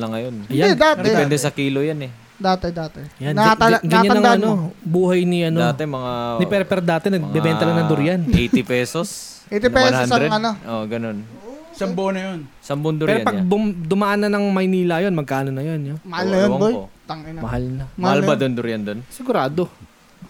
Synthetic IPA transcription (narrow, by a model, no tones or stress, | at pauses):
lɐŋːɐjonjjadd̪aːt̪ɛɛnd̪ɛsɐkiːlojanɛ | d̪aːt̪ɛd̪aːt̪ɛjanɡaɐɡɐɲɲanɐŋɐnobuːɦɐjnɪʔɐnoaːt̪ɛmɐŋanɪpɛɾpɛɾd̪aːt̪ɛnɐɡ̚bɛbɛːnt̪ɐlɐŋnɐd̪ʊɾjanʔɛjt̪ɪppɛːsos | ejt̪ɪpɛsasɾɛɐnoʔoɡɐno̞n | sɐmbonɐjonsɐmbond̪ʊɾɾanpɐɡ̚bʊd̪ʊmɐʔanːɐnɐŋmɐjniːlɐjonmɐɡ̚kaːnonɐjonjomɐhalnɐjowaŋojot̪ɐŋɛnmɐhalnɐmhalbad̪ond̪ʊɾjɐnd̪onsɪɡʊɾaːd̪o̞